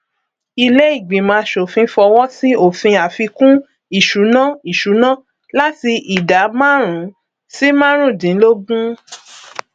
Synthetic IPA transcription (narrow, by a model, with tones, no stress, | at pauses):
i˧le˦i˦˨ɡ͡bĩ˨˦mãː˨˧˦ʃo˨fĩ˧˦fɔ˧wɔ˦si˦o˦˨fĩ˧a˨fi˧kũ˦ | i˦˨ʃu˨˦nã˦i˨ʃu˨˦nã˦ | la˦ti˧ʔi˨da˨˦mã˦˨ɾ̃ũ˨˦ | si˦mã˦ɾ̃ũ˦˨dĩ˨˦lo˦ɡũ˦